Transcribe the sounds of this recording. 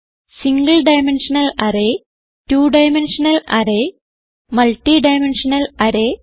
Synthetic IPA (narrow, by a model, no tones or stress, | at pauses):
siŋɡɐɭɖɐjmenʂɐnɐlɐɾe | tuːɖɐjmenʂɐnɐlʔɐ̰ɾe | mɐlʈːiɖɐjmenʂɐnɐlɐɾeː